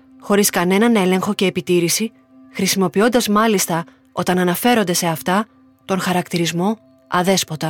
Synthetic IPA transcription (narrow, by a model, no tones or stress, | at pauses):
xo̞ɾiskɐne̞nɐne̞le̞ŋxo̞ce̞ːpit̪iɾisi | xɾisimo̞pio̞nd̪ɐzmɐlist̪ɐ | o̞t̪ɐnɐnɐfe̞ɾo̞nd̪e̞se̞ɐft̪ɐ | t̪o̞ŋxɐɾɐkt̪iɾizmo̞ | ɐðe̞spo̞t̪ɐ